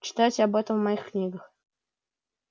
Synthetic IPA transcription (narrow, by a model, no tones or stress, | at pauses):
t͡ɕɪ̥t̪atʲabɛt̪əvmɐixknʲiɡəx